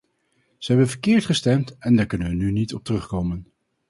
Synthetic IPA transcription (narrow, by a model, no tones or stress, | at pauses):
z̥əɦɛbənvəɹkɪːɹtχəstɛmtɛndaːɹkɵnənʋənynitɔp̚tərɵχkowmən